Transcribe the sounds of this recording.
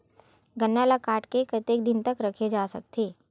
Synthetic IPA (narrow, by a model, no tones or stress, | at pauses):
ɡənːalakaːʈkekɐt̪eːk̚d̪ɪnt̪əkɾɐkʰed͡ʒaːsɐk̚t̪ʰeː